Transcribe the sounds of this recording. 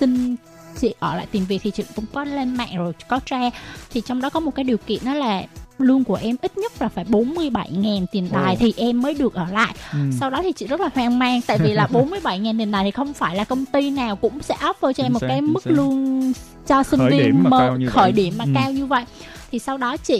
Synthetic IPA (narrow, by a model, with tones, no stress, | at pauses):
sï˧ŋ | t͡ɕḭ˧˨ʔəː˧˩la̰ː˧˨jt̪i˨˩mvi˨˩k̚t̪ʰi˨˩t͡ɕḭ˧˨kʊ̰˧˥ŋ͡mkɔ˨˦le˧nma̰ː˧˨ŋzo˨˩jkɔ˨˦t͡ɕaː˧t̪ʰi˨˩t͡ɕɔ˧wŋ͡mɗɔ˨˦kɔ˨˦mo˨˩kaː˨˦jɗi˨˩əwkḭ˧˨ənɗɔ˨˦laː˨˩lɨ˧əŋku˧˩əʔɛ˧mʔi˦˥t̚ɲə˦˥t̚vaː˨˩faː˧˩jɓo˨˦nmɨ˧əjɓa˧˩jŋaː˨˩nt̪i˨˩ənɗ̪aː˨˩jt̪ʰi˨˩ʔɛ˧mːəː˨˦jɗɨ˨˩ək̚ʔəː˧˩la̰ː˧˨jʔsa˧wɗɔ˨˦t̪ʰi˨˩t͡ɕḭ˧˨zə˦˥t̚laː˨˩hwaː˧ŋmaː˧ŋt̪a̰ː˧˨jvi˨˩laː˨˩ɓo˨˦nmɨ˧jɓa˧˩jŋaː˨˩nt̪i˨˩ənɗaː˨˩t̪ʰi˨xə˧wŋ͡mfaː˧˩jlaː˨˩kə˧wŋ͡mt̪i˧naː˨˩wkʊ̰˧˥ŋ͡msɛ̰˧˥ʔaː˦˥p̚vəː˧jt͡ɕɔ˧ɛ˧mo˨˩t̚kaː˨˦jmɨ˦˥k̚lɨ˧ən | t͡ɕɔ˧si˧ŋvi˧ə˧mə˨˩xəː˧˩jɗi˧˩əmːaː˨˩kaː˧wɲɨ˧və̰˧˨j | t̪ʰi˨˩sa˧wɗɔ˨˦t͡ɕḭ˧˨